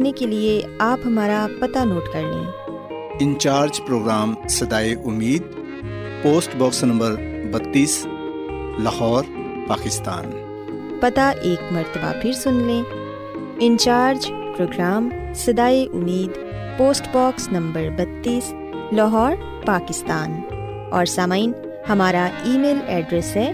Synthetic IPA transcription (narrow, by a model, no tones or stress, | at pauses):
nekelieaːpɦɐmaːɾapɐt̪anoːʈkɐɾlḛ̃ː | ɪ̃nt͡ʃaːɾd͡ʒpɾoːɡɾaːmsɐd̪aːeʔʊmːiːd̪ | poːsʈbɔːksnɐ̃mbəɾbɐt̪ːiːs | lɐɦɔːɾ | paːkɪst̪a̰ːn | pɐt̪aʔeːkmɐɾt̪əba̰pʰɪɾsʊnlẽ | ɪ̃nt͡ʃaːɾd͡ʒ | pɾoːɡɾaːm | sɐd̪aːeʔʊmːiːd̪ | poːsʈbɔːksnɐ̃mbəɾbɐt̪ːiːs | lɐɦɔːɾ | paːkɪst̪aːn | ɔːɾsaːmaːɪn | hɐmaːɾaiːmeːlɛːɖɾɛsɦɛː